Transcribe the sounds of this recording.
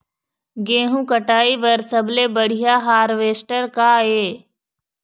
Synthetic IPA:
ɡẽːɦũkəʈaːiʋɐɾsəblebəɽ̤ijaɦaːɾʋeːsʈəɾkaːeː

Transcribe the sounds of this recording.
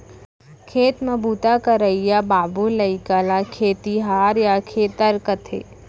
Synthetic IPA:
kʰeːt̪mɐbuːt̪akɐɾɐijabaːbulɐɪkaːlakʰeːt̪iɦaːɾjakʰeːt̪ɐɾkɐt̪ʰḛː

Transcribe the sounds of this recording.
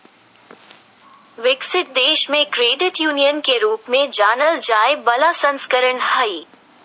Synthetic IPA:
ʋɪksɪʈ̚d̪eːʃmẽkɾeːɖɪʈjuːnijənkeɾuːpmẽd͡ʒaːnəld͡ʒaːɪbɐlasɐ̃nskəɾəɳhɐiː

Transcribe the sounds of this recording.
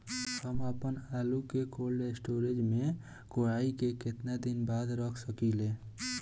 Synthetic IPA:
həməpənaːlukekoːlɖesʈoːɾed͡ʒmẽ | koɽaːikekɪt̪nad̪ɪnbaːd̪ɾəkʰsəkileː

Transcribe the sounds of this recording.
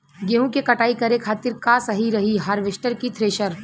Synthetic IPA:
ɡeːɦũkekɐʈaːikɐɾekʰaːt̪ɪɾkaːsɐɦiɾɐɦiɦɐɾʋɪʃʈəɾkit̪ʰɾeːʃəɾ

